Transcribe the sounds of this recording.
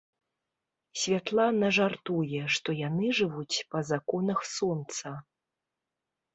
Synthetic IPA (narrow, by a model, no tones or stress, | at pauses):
sʲvʲat̪lˠanɐʐart̪ujɛʂt̪ɔjanɨʐɨvut͡sʲpɐzakɔnɐxsɔnt̪sɐ